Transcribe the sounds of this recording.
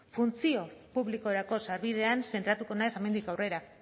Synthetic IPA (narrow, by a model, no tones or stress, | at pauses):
funt͡sio̞puβliko̞ɾako̞saɾβiðe̞anse̞nt̪ɾat̪ukonaesame̞nd̪ikawre̞ɾa